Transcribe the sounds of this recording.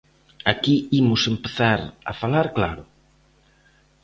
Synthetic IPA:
akiimʊsempeθaɾa̰falaɾklaɾʊ

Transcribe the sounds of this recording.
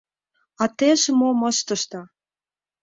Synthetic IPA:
ɑt̪eʃemoməʃt̪ə̆ʃt̪ɑ

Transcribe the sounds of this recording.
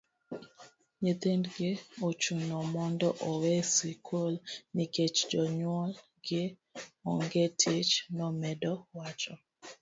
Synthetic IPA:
ɲet̪endɡɪot͡ʃunɔmɔndɔʔɔwɛsikʰolniket͡ʃd͡ʒɔɲwɔl | ɡɪ | ɔŋɡetʰet͡ʃnɔmɛdɔwat͡ʃɔ

